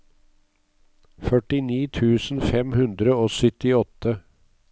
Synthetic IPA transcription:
fœʈɪniːt̪ʰʉːsn̩fɛmhʉnd̪ɾəoːsʏt̪ɪɔt̪ːə

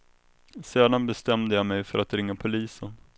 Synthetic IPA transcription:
seːd̪anbɛst̪ɛmd̪əjamɛjfœɾat̪ɾɪŋːapʰʊliːsən

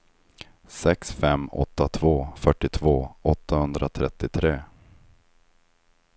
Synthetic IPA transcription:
sɛksfɛmːɔ̰t̪ːat̪ʰvoːfœʈːɪt̪ʰvoːʔɔt̪ːahɵnd̪ɾat̪ʰɾɛt̪ːɪt̪ʰɾeː

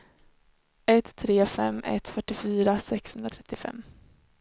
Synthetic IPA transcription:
ɛt̪ʰːɾeːfɛ̰mːɛ̰t̪fœʈːɪfyːɾasɛkshɵnɾat̪ʰɾɛt̪ːɪfɛ̰mː

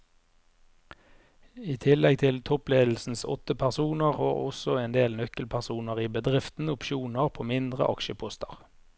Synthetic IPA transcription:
iːt̪ʰɪlɛɡ̚t̪ʰɪlt̪ʰɔpleːd̪l̩sn̩sɔ̰t̪əpʰæʁsuːnəʁo̰ːʁɔ̰sɔeːnd̪eːlnœkəlpʰæʁsuːnəʁiːbəd̪ʁɪft̪n̩ʊpʃuːnəʁpʰoːmɪnd̪ʁə̰ʔɑkʃəpʰʊst̪ə̰ʁ

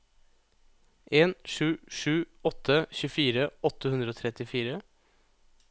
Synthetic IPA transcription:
ʔeːnʂʉːʂʉːɔt̪ʰəçʉːfiːɾəɔt̪əhʉnd̪ɾəoːt̪ʰɾɛt̪ɪfiːɾə

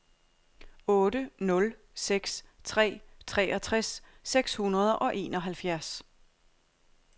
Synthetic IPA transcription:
ɔ̽ːɾ̥ənɔ̽l | seɡ̥st͡sʰʁɛ̰ːt͡sʰʁɛːʔɒ̽t͡sʰʁɛsːeɡ̥shunɐð̞ˠʔɒ̽ʔe̝ːnɒ̽ɦælfjæɐs

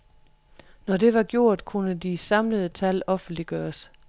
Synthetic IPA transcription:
nɒde̝ʋɑ̈ɡ̥jo̝ɐ̰d̥kʰunəd̥isɑ̈mləð̞ˠət͡sʰælɒ̽fn̩d̥liɡ̥ɶːɐs

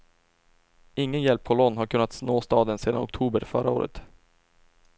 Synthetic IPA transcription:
ɪŋːənjɛlpʰːɔlɔnːɦaɾkʰɵnːat̪snoːst̪ɑːd̪ənseːd̪anɔ̰k̚t̪ʰuːbəɾfœɾʔa̰o̰ːɾʔə̰t̪

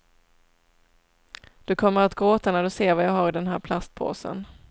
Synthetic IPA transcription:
d̪̥ɵkʰɔmːəɾat̪ɡɾoːt̪anæɖɵseːɾvajɑːɦaɾɪd̪ɛnɦæːɾpʰlast̪̚pʰo̰ːsə̰n

